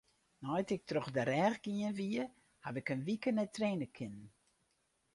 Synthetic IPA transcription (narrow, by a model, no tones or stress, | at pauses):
nɔjtɪk̚troxdəɾɛːxɡiənʋiə | haʋɪkənʋikənɛtreːnəkʰɪnn